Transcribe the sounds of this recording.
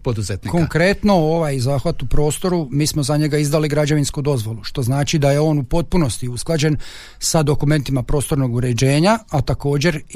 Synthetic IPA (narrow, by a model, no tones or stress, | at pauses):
pod̪uzet̪niko̞ŋkɾe̞t̪no̞oʋajzaːxʋat̪upɾo̞ːst̪o̞ɾumiːsmozaɲe̞ɡaizd̪aliɡɾad͡ʑaʋinskud̪o̞zʋo̞lˠuʃt̪o̞znaːt͡ʃid̪aje̞o̞ːnupo̞t̪̚puno̞st̪iusklˠad͡ʑe̞n | sad̪o̞kume̞nt̪imapɾo̞ːst̪o̞ɾno̞ɡuɾe̞d͡ʑe̞ːɲaat̪ako̞ːd͡ʑe̞ɾ